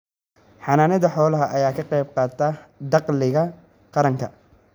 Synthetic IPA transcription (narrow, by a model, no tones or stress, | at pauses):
ħɑnaːnɪðɐħɔːlɐɦɐʔɐjaːkʰɐqɛjb̚qɑːt̪ʰɐd̪ɑqlɪɣɐ | qɑɾɐŋkʰɐ